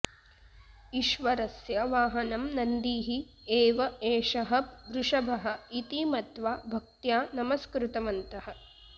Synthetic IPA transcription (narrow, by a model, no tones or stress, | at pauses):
iʃʋɐɾɐsjɐʋaːɦɐnɐmnɐnd̪iːɦi | eːʋɐeːʂɐɦɐpʋɾuʂɐbʱɐɦɐ̆it̪imɐt̪ʋaːbʱɐk̚t̪jaːnɐmɐskɾut̪ɐmɐnt̪ɐɦɐ̆